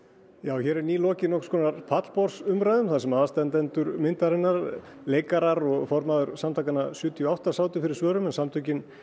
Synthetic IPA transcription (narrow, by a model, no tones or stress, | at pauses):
jaːwçɛːɾɛɾniːlɔːcɪnɔhkskʰɔːnaɾpʰat̪lpɔɾ̥sʏmɾaːjðʏmθaðsɛmaːðast̪ɛnt̪ɛnt̪ʏɾmɪnt̪aɾɪnːaɾ | leːjkaɾaɾɔɣfɔɾmaðʏɾsamt̪ʰaːkanasjʏːt̪ʰiɔawht̪asaːwt̪ʏfɪɾɪɾ̥svœːɾʏmɛnsamt̪ʰʏcɪn